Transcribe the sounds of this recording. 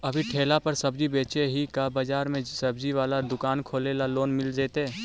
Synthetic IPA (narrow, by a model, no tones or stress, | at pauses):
ɐbʱiʈʰeːlapɐɾsɐbd͡ʒibeːt͡ʃeɦikabad͡ʒaːɾmẽsɐbd͡ʒiʋaːlad̪ʊkaːnkʰoːleːlaloːnmɪld͡ʒeːt̪eː